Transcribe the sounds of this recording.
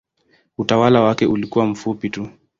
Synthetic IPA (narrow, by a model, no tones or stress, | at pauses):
utawalawakɛʔulikuwam̩fupitu